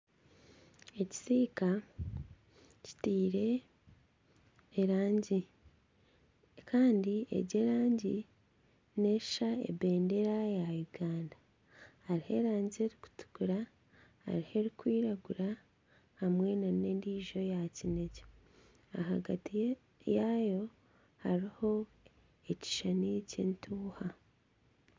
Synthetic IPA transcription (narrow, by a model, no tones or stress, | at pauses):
e̞ci̥siːka | ci̥tiːɾe̞ | ɾaːɲɟi | kʰaːndiḛɟe̞ɾaːɲɟi | ne̞̥ʃaḛbe̞ːnde̞ɾajajuɡaːnda | haɾihe̞ɾaːɲɟie̞ɾiku̥tu̥ɡuɾa | ha̰ɾihe̞ɾikwiːɾaɡuɾa | hamwe̞naneːndiːʒo̞jacine̞ce̥ | aɦa̰ɡa̰ti | jajo̞ | haɾiho̞ | e̞ci̥ʃanicentʰuːha